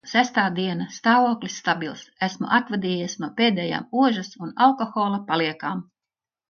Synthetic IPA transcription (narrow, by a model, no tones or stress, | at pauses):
sæst̪aːd̪iɛnast̪aːvuɔklʲisːt̪abʲilˠsæsmṵʔat̪vad̪iːjisnuɔpeːd̪ɛːja̰ːmuɔʒɐsunalˠkoxoːlˠapaliɛkaːm